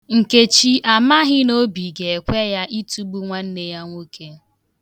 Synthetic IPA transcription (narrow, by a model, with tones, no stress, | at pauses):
ŋ̩˨ke˨t͡ʃi˦ʔa˨ma˦ɦɪ˦no˦bi˨ɡe˨e˨kʷe˦ja˦ʔi˦tu˦bu˦ŋʷa˦n̩˦ne˦ja˦ŋʷo˦kʰe˦